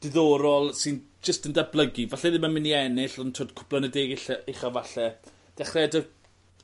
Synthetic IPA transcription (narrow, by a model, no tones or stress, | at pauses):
d̥ɪðɔːɾɔlˠsɪn | d͡ʒ̥əstəndablˠəɡivaɬɛðɪmamɪniɛnɪɬɔntʰoːdkʰʊ̥plˠənɛdeːɡɪɬaeχavaɬɛ | d̥ɛχrɛdə